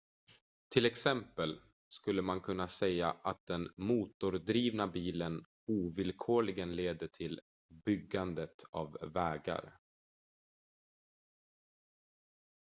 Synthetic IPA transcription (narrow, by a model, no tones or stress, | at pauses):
t̪ʰɪlɛksɛmpəl | skɵlːəmankʰɵnːasɛjaʔat̪̚d̪ɛnmuːt̪ʊɾd̪ɾiːvnabiːlən | uːvɪlkʰoːɭɪɡənleːd̪əʈʰɪl | bʏɡːand̪ət̪ʰa̰vːɛːɡa̰ɾ